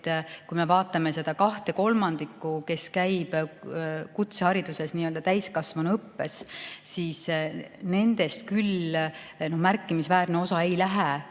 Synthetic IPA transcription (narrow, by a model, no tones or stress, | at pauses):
t̪ːkujme̞vɑːt̪ːˑɑme̞se̞d̪̥ɑkɑht̪e̞ko̞lmɑnd̪̥ikːˑuke̞skæjb̥ | kut̪sehɑɾid̪̥use̞sniːøld̪̥ɑt̪æjskɑsvɑnɤpːe̞ssiːsne̞nd̪̥e̞st̪kyl | no̞hmærkːˑimisvæːɾneo̞sɑe̞jlæɦe